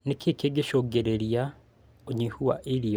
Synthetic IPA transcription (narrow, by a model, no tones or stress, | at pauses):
nikekeɡeʃoɡeɾeɾja | oɲihuwa̰ʔilijo